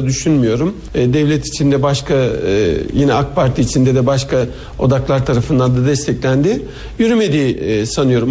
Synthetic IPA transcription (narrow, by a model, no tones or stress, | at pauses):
d̪yʃynmyjo̞ɾumː | d̪ɛvlʲɛt̪ʰi̥t͡ʃʰind̪ɛbaʃkʰa | jinɛakpʰaɾt̪ʰiːt͡ʃʰind̪ɛd̪ɛbaʃka | o̞̰d̪aklˠaɾt̪ʰaɾafɯnd̪and̪ad̪ɛst̪ʰɛclʲænd̪ɪ | jyɾyme̞d̪iːsanɯjo̞ɾum